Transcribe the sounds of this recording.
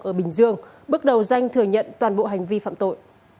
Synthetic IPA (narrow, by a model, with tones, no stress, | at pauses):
ʔəː˧˩ɓï˨˩ŋ̟zɨ˧əŋ | ɓɨ˦˥k̚ɗə˨˩wza˧jŋ̟t̪ʰɨ˨˩əɲə̰˧˨nt̪waː˨˩nɓo̰˧˨ɦa˨˩jŋ̟vi˧fa̰ː˧˨mt̪o̰˧˨jʔ